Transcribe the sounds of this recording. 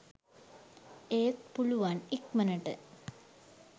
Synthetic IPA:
eːt̪puɭuʋanikmɐnɐʈːɨ̰

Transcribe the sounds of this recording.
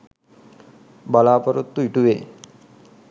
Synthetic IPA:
balaːpəɾut̪ːuiʈuʋeː

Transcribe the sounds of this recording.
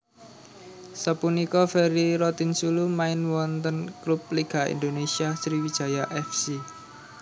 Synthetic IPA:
səpunikɔfɛɾiɾɔt̪insulumaɪnwɔnt̪ənklup̚liɡ̥a̤ḭnd̪onesiasɾiwid̥ʒ̥ä̤jaʔɛfsi

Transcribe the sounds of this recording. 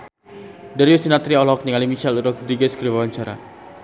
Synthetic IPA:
daɾiusinat̪ɾiɔlɔk̚niŋalimiʃɛluɾɔkud̪ɾiɡɛskəɾibawaɲt͡ʃaɾa̰

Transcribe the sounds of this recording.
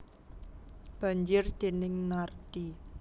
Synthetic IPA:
b̥a̤ɲd͡ʒɪrd̪̥e̤nɪŋnard̪̥i

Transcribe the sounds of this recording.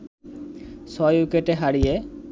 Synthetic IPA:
sɔjukeʈeɦaɽije

